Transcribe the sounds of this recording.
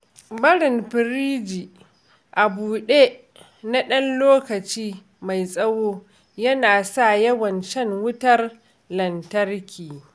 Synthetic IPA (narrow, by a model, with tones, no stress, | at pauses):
bɐ˦ɽɪ˨mɸɪ˨ɾiː˦d͡ʒiː˨ | ʔa˨buː˨ɗe˦ | na˦ɗɐ˦nloː˦kɐ˨t͡ʃiː˦ | ma˨jsʼɐ˦woː˦ | jɐ˦naː˨sa˦˨jɐ˦wɐ˨nʃɐ˦ŋwʊ˦tɐ˦r | lɐ˨ntɐ˦rkʲiː˨